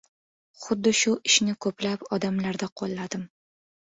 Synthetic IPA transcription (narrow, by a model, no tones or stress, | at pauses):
χʊd̪ːɪʃʊʔɪʃnɪkʰɵplapɒd̪amlaɾd̪aqʰolˠːad̪ɪm